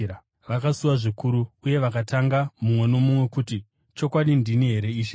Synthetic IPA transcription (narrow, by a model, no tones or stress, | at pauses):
ʋakasuwaʐikuɾuuje̞ʋakataŋɡamumwe̞no̞mumwe̞kuti | t͡ʃo̞kwaɗindiniɦe̞ɾe̞iːʃe